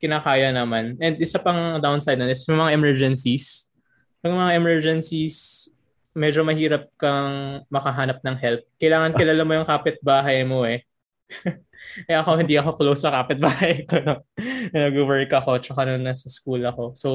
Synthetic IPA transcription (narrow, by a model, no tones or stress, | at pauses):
kɪnaːkaːjɐnɐmanʔɛnd̪ʔɪsapɐŋd̪awnsajd̪nonɪsjʊŋmɐŋaʔɛmɛɹd͡ʒɛnsis | pɐɡmɐŋaʔɛmɛɹd͡ʒɛnsis | mɛd͡ʒomɐhiːɾɐp̚kɐŋmɐkɐɦaːnɐp̚nɐŋɦɛlp̚kɐjlaːŋɐnɐlaːlɐmːojʊŋkaːpɪt̪̚baːɦɐjmo̞ʔɛ | ʔɛʔɐkohɪnd̪iʔɐxo̞klowsɐkaːpɪt̪̚baːhɐjkonɐɐnɐɡʊwɛɹkɐko̞t͡ʃɐkanonːɐsɐskuːlɐko̞so